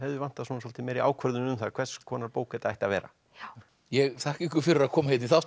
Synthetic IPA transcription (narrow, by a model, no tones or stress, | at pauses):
hɛvðɪvan̥t̪aðsɔːnas̬ɔl̥t̪ɪmɛːɾia̰ːwkʰvœɾðʏnʏmθaɾkʰvɛ̥skʰɔːnaɾpoːwkɛt̪aajht̪avɛːɾa̰ | jɛɣθahcihkʏfɪɾɪɾakʰɔːmahejt̪niθaw